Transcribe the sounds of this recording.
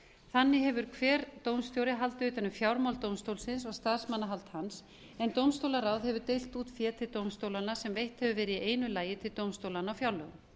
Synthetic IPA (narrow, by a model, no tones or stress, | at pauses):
θanːɪɦɛvʏɾ̥kʰvɛːɾt̪owmst̪jowɾɪɦalt̪ʏːt̪anʏmfjawɾmawlt̪owmst̪owlsɪns̬vast̪aðsmanːaɦalt̪hans | ɛnt̪owmst̪owlaɾawðhɛvʏɾt̪ejl̥t̪uːt̪fjɛːt̪ʰɪlt̪owmst̪owlanasɛmvejht̪hɛvʏvɛːɾɪieːjnʏlaːjɪt̪ʰɪlt̪owmst̪owlanːaɔwfjawɾlœɣʏm